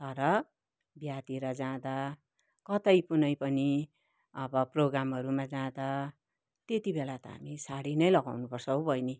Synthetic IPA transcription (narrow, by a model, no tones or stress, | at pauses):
t̪ʌɾʌ | bjat̪iɾʌd͡zãd̪a | kʌt̪ʌjpunʌjpʌni | ʌbʌproɡramɦʌɾumad͡zãd̪a | t̪et̪ibelat̪ʌɦa̰misaɽinʌjlʌɡawnupʌrsʰʌwbʱʌjni